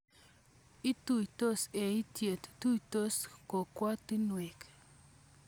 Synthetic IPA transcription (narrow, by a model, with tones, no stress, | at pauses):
i˦t̪uit̪o˦se˨i˦t̪je˨t̪t̪u˦it̪o˦sko˨kʷa˦t̪i˦nwe˨k